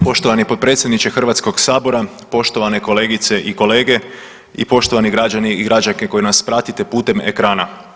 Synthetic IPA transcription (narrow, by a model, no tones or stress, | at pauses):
po̞ʃt̪o̞ʋanipo̞t̪̚pɾe̞ːt̪sʲjed̪nit͡ʃexr̩ʋat̪sko̞ɡsaːbo̞ɾa | po̞ʃt̪o̞ʋane̞ko̞le̞ːɡit̪se̞ʔiko̞le̞ːɡe̞ | ḭpo̞ʃt̪o̞ʋaniɡɾad͡ʒaniiɡɾad͡ʒake̞ko̞jenaspɾat̪it̪e̞puːt̪e̞mḛkɾaːna